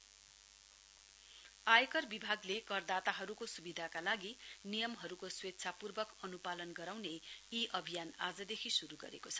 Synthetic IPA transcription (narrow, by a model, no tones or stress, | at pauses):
ajkʌrbibʱaɡlekʌrd̪at̪aɦʌɾukosubid̪ʱakalaɡinijʌmɦʌɾukoswet̪ːt͡sʰapurbʌkʌnupalʌnɡʌɾawneiʔʌbʱijanad͡zʌd̪ekʰisuɾuɡʌ̰ɾekot͡sʰʌ̥